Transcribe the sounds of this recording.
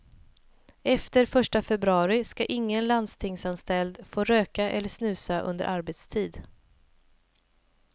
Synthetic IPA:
ɛft̪əɾfœʂʈafɛbɾɵɑːɾɪskaʔɪŋːənland̪st̪ʰɪŋsanst̪ɛld̪foːɾøːkaʔɛ̰lːəʂnʉ̟ːsaʔɵ̰nd̪ə̰ɾʔaɾbeːt̪st̪ʰiːd̪

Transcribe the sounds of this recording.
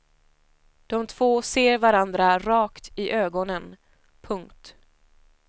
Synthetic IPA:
d̪̥ɔmt̪ʰv̥oːseːɾvaɾand̪ɾaɾɑːkt̪ʰɪʔøːɡɔnən | pʰɵŋkt̪

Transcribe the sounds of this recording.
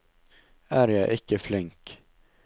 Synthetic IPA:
æːɾjæɪʔɪkəflɪŋk

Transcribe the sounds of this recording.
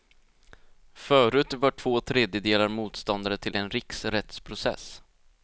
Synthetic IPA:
fœːɾʉ̟ːt̪vaʈʰv̥oːt̪ʰɾeːd̪jəd̪eːlaɾmuːt̪st̪ɔnd̪aɾət̪ʰɪlɛnɾɪksɾɛt̪spʰɾʊsɛ̰s

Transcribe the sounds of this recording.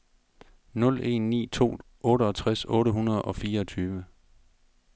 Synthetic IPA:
nɔ̽le̝̰nːḭːt͡sʰo̝̰ː | ʔɔ̽ːɾəɒ̽t͡sʰʁasɔ̽ːɾəɦunɐð̞̩ˠɒ̽fiːɐɒt͡sʰyːʋə

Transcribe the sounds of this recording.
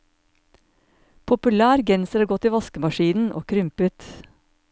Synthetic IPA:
pʰʊpʉlæːɾɡɛnsəɾɑːɡɔt̪iːʋɑskəmɑʃiːnn̩ʔo̰ːkʰɾʏmpʉt̪

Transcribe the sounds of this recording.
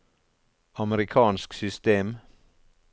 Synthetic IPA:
ɑməɾɪkʰɑːnsksʏst̪eːm

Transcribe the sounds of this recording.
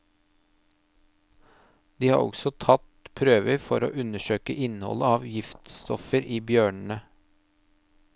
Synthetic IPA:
d̪iːhɑ̰ːɾɔ̰ɡsɔt̪ʰɑt̪pʰɾøːʋəɾfɔɾo̰ːʔʉnəʃøːkəʔɪnhɔ̰ləɑːʋjɪft̪st̪ʰɔfəɾiːbjøːɳn̩ə

